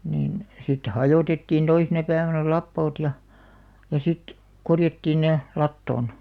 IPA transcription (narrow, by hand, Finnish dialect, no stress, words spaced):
niːn sitːe hɑjoˑtetːiːn toisenɑ pæiʋænæ lɑpːoːt jɑ jɑ sit korjɑtːiːn ne lɑtːoˑn